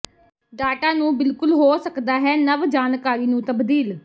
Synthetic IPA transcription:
ɖaːʈãːnũːbɪlkʊlɦoːsəkd̪aːɦɛːnəʋd͡ʒaːnkaːɾiːnũːt̪əbd̪iːl

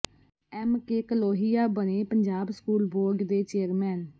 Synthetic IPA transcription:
ɛːmkeːkəloːɦijaːbəneːpəɲd͡ʒaːbskuːlboːɡd̪eːt͡ʃeːəɾmɛːn

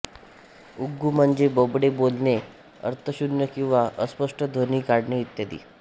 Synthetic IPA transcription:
uɡːum̤əɳd͡zebəbɽebolne | ə̰ɾt̪ʰəɕunjəkĩw̃ʋaʔəspəʂʈəd̪ʱoniːkaɽɳeit̪jad̪ḭː

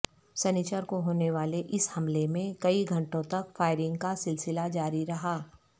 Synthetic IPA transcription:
sɐnit͡ʃəɾkoɦoːneʋaːleʔɪshɐmlemẽkɐiɡʱɐ̃ɳʈõt̪ɐkfaːɪɾɪ̃ŋɡkasɪlsɪlad͡ʒaːɾiɾɐɦaː

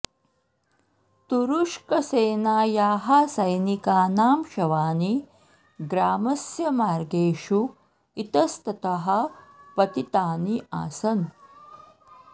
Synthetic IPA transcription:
t̪uɾuʂkɐseːnaːjaːɦasɐjnikaːnaːmʃɐʋaːni | ɡɾaːmɐsjɐmaːɾɡeːʃu | it̪ɐst̪ɐt̪ɐɦɐpɐt̪it̪aːniʔa̰ːsɐn

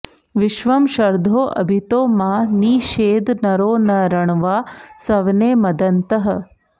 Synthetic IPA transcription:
ʋiʃʋɐmʃɐɾd̪ʱoːʔɐ̰bʱit̪oːmaːniːʃeːd̪nɐɾoːnɐɾɐɳʋaːsɐʋneːmɐd̪ɐnt̪ɐɦɐ̆

